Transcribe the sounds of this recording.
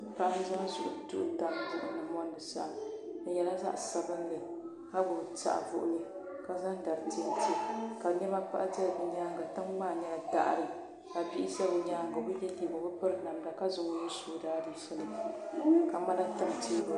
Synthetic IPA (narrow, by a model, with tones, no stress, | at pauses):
pa˦ʔn˦za˦n˦zʊ̰˨ʔʊ˨tʊ̰˦ʔʊ˦da˨m˦dɨ˦ʔnɨ˨mɔ˦n˦dɨ˨sa̰˦ʔnɨ˨jɛ˨la˦za̰˦ʔsa˨bɨ˦nːɨ˨ | ha˦bo˨ta̰˦ʔvʊ̰˦ʔʊ̰˦lɨ˦ | ka˨za˦n˦da˨ɾɨ˨ti˦n˦tɨ˦ka˨ɲɛ˦ma˦pa̰˦ʔza˦˨bɨ˨ɲaː˦ŋɡa˨tɨ˦ŋmaː˦˨nɛ˦la˨da̰˦ʔɾɨ˨ | ka˨bi˦i˦za˦bɨ˨ɲaː˦ŋɡa˨bɨ˦jɛ˦li˨bo˨bɨ˦pɨ˦ɾna˨mda˨ka˦zʊ˨ŋ˦ni˦soː˦daː˦dɨ˨ʃɛ˦lɨ˦˨ka˨ma˦la˦ta˦mti˦˨